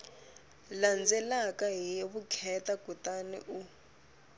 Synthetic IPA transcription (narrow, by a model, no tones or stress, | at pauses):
land͡zɛlakaɦieβukʰɛtaɡ̥ʱutanɛ̰ʔu